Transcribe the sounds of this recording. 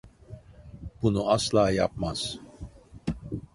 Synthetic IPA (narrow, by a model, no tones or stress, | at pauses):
b̥unuaslˠaːjap̚maz̥